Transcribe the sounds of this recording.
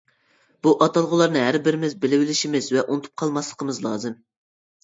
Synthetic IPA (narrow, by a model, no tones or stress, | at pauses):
b̥uʔɑt̪ɑlˠʁəlˠɑɾnɨɦæɾbɪɾɪmɪzbɪlɪwɪlɪʃimɪzvɛʔunɨt̪ʰu̥p̚qʰɑlˠmɑslˠəqʰəmɨzlˠɑ̰ːzɨm